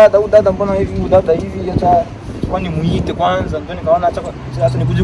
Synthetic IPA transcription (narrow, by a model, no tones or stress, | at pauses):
adaudadambɔnaiviudadaivijat͡ʃa | t͡ʃakwanimuitɛkwanzandɔnikaɔnat͡ʃaka | t͡ʃinatɔnik̬ud͡ʒi